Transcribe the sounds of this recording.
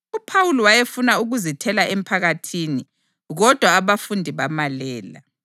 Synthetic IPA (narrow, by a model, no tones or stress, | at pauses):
upʰawuliwajefunauɣuzitʰɛlaʔem̩pʰaɣatʰiːni | ɣɔd̥ʱwaːβafundʱiβamalɛːla̰